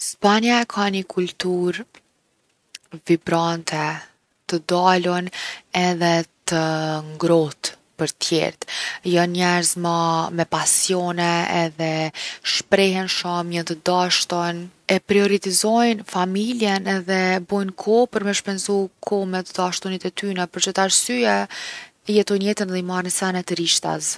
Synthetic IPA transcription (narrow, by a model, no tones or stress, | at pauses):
spanaɛkʰaɲəkʰult̪uɾ | vibɾant̪ʰɛ | t̪əd̪alɔnɛðɛt̪əŋɡɾɔt̪ | pəɾt̪jɛ̰ɾt̪jɔnɲɛɾzmamɛpasjɔnɛɛðɛʃpɾɛɦɛnʃɔmjət̪əd̪aʃt̪ɔnɛpɾiɔɾit̪izɔjnfamiljɛnɛðɛbɔjnkʰɔpəɾmɛʃpɛnzukʰɔmɛt̪əd̪aʃt̪ɔnit̪ɛt̪ynɛpɔɾt͡ʃət̪aɾsya | jɛt̪ɔjnjɛt̪ənðɛimarənsanɛt̪əɾiʃt̪a̰s